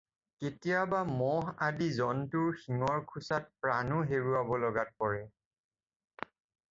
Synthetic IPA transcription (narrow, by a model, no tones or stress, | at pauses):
ketijabamɔɦadizɔntʊɹxiŋɔɹkʰusat̚pɹanʊɦeɹuabɔlɔɡat̚pɔɹɛ